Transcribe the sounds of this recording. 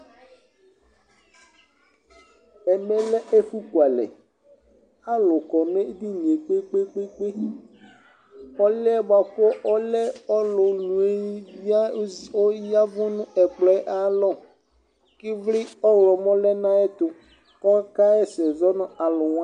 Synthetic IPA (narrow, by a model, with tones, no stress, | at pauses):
ɛ˨mɛ˦lɛ˦e˦fu˦ku˨a˨lɛ̰˨ | a˦lʊ˨kɔ˨n˦e˦d̪i˦nĩ˨e˨k͡pe˦k͡pe˦k͡pe˦k͡pe˦ | ɔ˦lɛ˦ba˨kɔ˦ʔɔ˦lɛ˦ɔ˦lʊ˨nũ˨e˦ | o˦ja˦vʊ˦nʊ̃˦ɛ˨k͡plɔ˦ɛ˦ʔa˨lɔ˦˨ | kɪ˦vlɪ˦ɔ˦wlɔ˨mɔ̃˦lɛ˦nã˦ɛ˦t̪ʊ˨ | kɔ˦ka˦ɛ˦sɛ˨zɔ˦nʊ̃˦a˨lʊ˨wã˦